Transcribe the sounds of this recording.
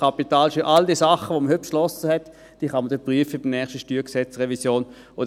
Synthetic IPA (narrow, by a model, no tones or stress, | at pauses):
ɑpitaːlʃøʔɑldiːəsɑχəʋoməhøt̚pʃlɔsəhɛt | d̥iːχɑməd̥̪ɛpʁyəfəb̥ɪmnɛːχʃtəʃtyːksɛt͡sʁɛvisjoːn | ʔod